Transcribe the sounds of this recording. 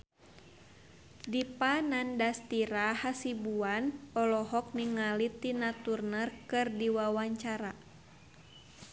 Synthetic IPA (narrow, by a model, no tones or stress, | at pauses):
dipanandast̪iɾahasibuanɔlɔɦɔk̚niŋalit̪inat̪urnərkɨrdiwawaɲt͡ʃaɾa